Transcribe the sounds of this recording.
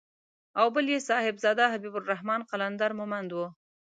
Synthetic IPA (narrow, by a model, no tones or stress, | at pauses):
awbəljesɑhɪbzɑd̪aɦabibʊlɾahmɑnqaland̪ɑɾmʊmand̪wu